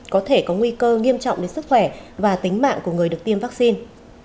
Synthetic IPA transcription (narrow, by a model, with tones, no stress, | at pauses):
kɔ˨˦t̪ʰe˧˩kɔ˨˦ŋwi˧kəː˧ŋi˧əmt͡ɕɔ̰˧˨ŋ͡mɗe˨˦nsɨ˦˥k̚xwɛ˧˩vaː˨˩t̪ï˨˦ŋ̟ma̰ː˧˨ŋku˧˩əŋ˨˩əɗɨ˨˩ək̚t̪i˧əmva˦˥k̚si˧n